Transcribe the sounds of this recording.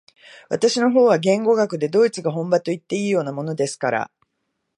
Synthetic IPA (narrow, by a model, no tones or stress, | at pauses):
βat̪aɕino̞ɦo̞ːβaɡẽ̞ŋɡo̞ɡakɯ̟d̪e̞d̪o̞ːit͡sɨɡaɦõ̞mbat̪o̞it̪ːe̞iːjo̞ːnamo̞no̞d̪e̞sɨ̥kaɾa̰